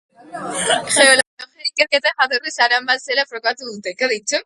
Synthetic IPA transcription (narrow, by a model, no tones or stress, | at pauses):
xeolooxeikeɾket̪axaðorisaɾambaselafɾokat̪uðunt̪ekaðit͡ʃe